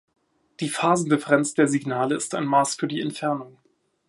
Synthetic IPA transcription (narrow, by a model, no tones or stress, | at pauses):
d̥iːfaːzn̩dɪfɛʁɛnt͡sd̥eːɐziɡnaːləɪsta̰ɪnmaːsfyːɐdiːɛntfɛɐnʊŋ